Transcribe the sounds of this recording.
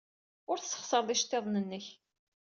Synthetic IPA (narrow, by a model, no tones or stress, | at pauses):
ʊɾθsːə̥χsəɾˤðˤiʃt̪ːeðˤnənːəç